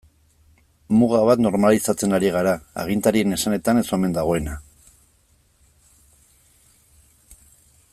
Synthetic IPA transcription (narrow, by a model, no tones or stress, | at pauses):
muɣaβat̪no̞ɾmalisat͡se̞naɾiɣaɾaa̰ɣint̪aɾie̞ne̞sane̞t̪ane̞so̞me̞nd̪aɣ̞o̞e̞na